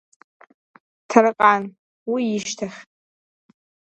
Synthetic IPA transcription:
tʰarɨqʼan | wiɪʃtʰaχʲʼ

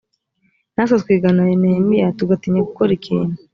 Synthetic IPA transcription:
nas̬askwiɡanaenemijatuɡatiɲaɡukoɾikiːnu

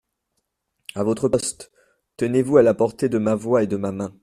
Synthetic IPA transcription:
avot̪χəpɔst̪ | t̪ənevualapɔʁt̪ed̪əmavwaed̪əmamɛ̃

